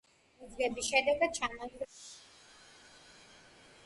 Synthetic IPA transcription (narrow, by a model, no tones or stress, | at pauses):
ud̪zɡɛbisʃɛd̪ɛɡad̪̚t͡ʃʰanadɾ